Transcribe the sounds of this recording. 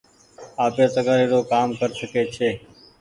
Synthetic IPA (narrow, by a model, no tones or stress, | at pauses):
aːpeːt̪əɡaːɾeːɾoːkaːmkəɾʃəkeːt͡ʃʰeː